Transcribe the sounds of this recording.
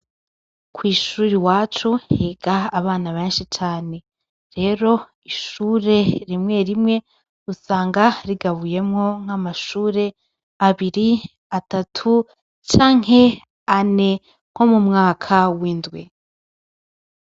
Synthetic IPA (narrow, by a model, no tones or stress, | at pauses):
kwiːʃuːɾiwaːt͡ʃuhiːɡaːβaːnaβe̞ːnʃit͡ʃaːne̞ | ɾe̞ɾo̞ | iʃuːɾe̞ɾimŋe̞ɾimŋe̞ | usaːŋɡaɾiɡaβuje̞mŋo̞ŋ̥amaʃuːɾe̞ | aβiɾi | atatʰu | t͡ʃaːŋe̞ | ane̞ | ŋ̥ho̞mumŋaːkʰawiːndɡwe